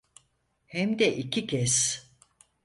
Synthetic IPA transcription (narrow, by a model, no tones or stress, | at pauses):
hɛmd̪ɛʔicʰicʰɛs